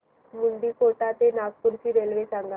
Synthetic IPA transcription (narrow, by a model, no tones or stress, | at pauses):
muɳɖikoʈat̪enaɡ̚puɾt͡ɕiːɾelʋesaŋɡa